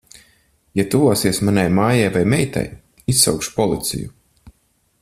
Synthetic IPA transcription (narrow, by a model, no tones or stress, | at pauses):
jat̪uvɔːsiɛsmanajmaːjajvajmɛjt̪a̰j | isːa̰wkʃpɔlˠit̪sḭjṵ